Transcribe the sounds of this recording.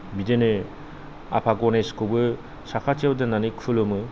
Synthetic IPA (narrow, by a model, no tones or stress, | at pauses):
bidenɯ | a̰pʰaɡɔneskɯbɯ | sakʰatiawdenanikʰɯlɯmɯ